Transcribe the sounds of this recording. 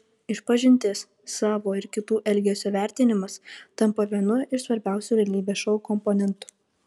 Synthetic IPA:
ɪʃpɐʒʲɪnʲt̪ʲeːs | sɑːʋoːɪɾkʲɪt̪uːʔɛlʲɡʲesʲuːʋʲæˑɾʲt̪ʲɪnʲɪmɐst̪ɐmpoʋʲiɛnʊɪɾsʋɐɾʲbʲæˑʊsʲuːʋʲɛlʲiːbʲeːsʃɐʊkɔmpoːnʲɛnt̪ʊ̥

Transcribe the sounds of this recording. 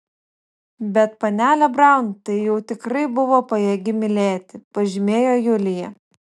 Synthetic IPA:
bʲɛt̪pɐnʲæːlʲɛbɾɐˑʊnt̪ɐɪjɛʊt̪ʲɪkɾɐɪbʊʋoːpɐjɛɡʲɪmʲɪlʲeːt̪ʲɪpɐʒʲɪmʲeːjoːjʊlʲɪjɛ

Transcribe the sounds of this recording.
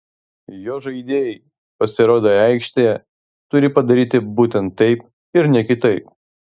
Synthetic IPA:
joːʒɐɪd̪ʲeːjɛɪ | pɐsʲɪɾoːd̪oːæɪkʃʲt̪ʲejɛ | t̪ʊɾʲɪpɐd̪ɐɾʲiːt̪ʲɪbuːt̪ʲɛnt̪ːɛɪp̚ | ɪɾnʲɛkʲɪt̪ɐɪp̚

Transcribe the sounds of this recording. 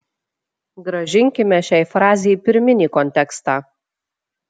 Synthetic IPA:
ɡɾɐʒʲɪŋʲkʲɪmʲɛʃʲæːɪfɾɑːzʲɛjpʲɪɾʲmʲɪnʲiːkɔnʲt̪ʲɛkst̪ɑː

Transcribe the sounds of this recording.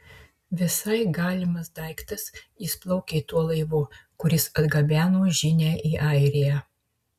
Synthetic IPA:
ʋʲɪsɐɪɡɑːlʲɪmɐsd̪ɐˑɪkt̪ɐsjiːˑsplˠɔʊkʲeɪt̪uɔlˠɐɪʋuːkʊɾʲɪsɐd̪ɡɐbʲæːnoːʒʲɪnʲæːʔiːʔɐˑɪɾʲejæ

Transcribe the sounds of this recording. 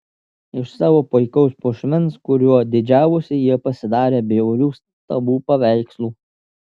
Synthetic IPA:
ɪʃsɑːʋoːpɔɪkɐʊspʊʃʲmʲɪnskʊɾʲuɔd̪ʲɪd͡ʒʲæːʋʊsʲɪjiɛpɐsʲɪd̪ɑːɾʲeːbʲeʊɾʲuːs | t̪ɐbuːpɐʋʲæɪkslˠuː

